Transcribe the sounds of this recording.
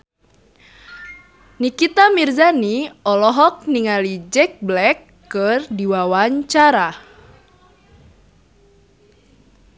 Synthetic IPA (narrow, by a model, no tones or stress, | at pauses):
nikit̪amirzaniɔlɔɦɔk̚niŋalid͡ʒɛk̚blɛkːɨrdiwawaɲt͡ʃaɾa